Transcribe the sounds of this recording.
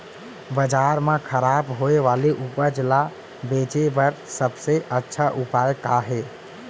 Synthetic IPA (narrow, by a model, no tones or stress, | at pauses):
bəd͡ʒaɾmẽkʰəɾabɦoeʋaleʔupəd͡ʒla | bet͡ʃebəɾsəbseʔətːʃʰaʔupajkaɦe